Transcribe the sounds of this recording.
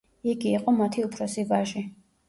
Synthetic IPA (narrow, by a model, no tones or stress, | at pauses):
iɡiːqʼɔmat̪ʰiupʰɾɔsivaʒi